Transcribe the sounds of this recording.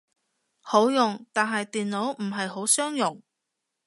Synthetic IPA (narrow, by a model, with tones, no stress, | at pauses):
ho˨˥wjʊ˨ŋt̪aː˨nɦɐ˨jt̪iː˨nlo˨˥wm̩˨˩ɦɐ˨jɦo˨˥wsœː˥ŋjʊ˨˩ŋ